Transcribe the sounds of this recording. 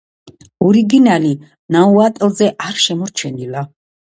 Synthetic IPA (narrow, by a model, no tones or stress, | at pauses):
ɔɾiɡinali | nauat̪ʼlˠzɛʔaɾʃɛmɔɾt͡ʃʰɛnila